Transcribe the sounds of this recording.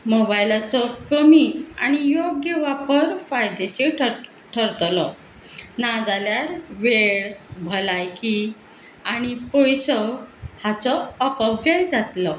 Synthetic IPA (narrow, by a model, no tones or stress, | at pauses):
mobajilat͡sɔkəmiaɽ̃ijoɡjəʋapəɾfajd̪eɕeʈʰ | ʈʰəɾt̪lɔ | nad͡zaljaɾʋeɽbʱəlajki | aɽ̃ipojsɔhat͡sɔːpəbjajd͡zat̪lɔ